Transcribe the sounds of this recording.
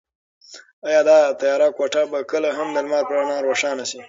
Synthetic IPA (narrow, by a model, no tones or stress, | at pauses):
ajɑːd̪ɑt̪ajɑːɾakwaʈabakəlaɦamd̪əlmɑːɾpɾanɑɾoʂɑːnasi